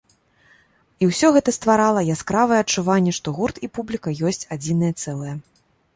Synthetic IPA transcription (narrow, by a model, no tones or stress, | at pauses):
iwsʲɔɣɛt̪ɐst̪vaɾalˠɐjaskɾavɨjɛɐt͡ʂːuvanʲːɛʂt̪ɔɣurt̪ipublʲikɐjɔsʲt͡sʲad͡zʲinɨjɛt̪sɛlˠɐjɛ